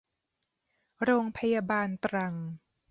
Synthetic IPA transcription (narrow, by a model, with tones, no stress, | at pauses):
ɾoː˧ŋpʰa˧jaː˧baː˧nt̪ɾa˧ŋ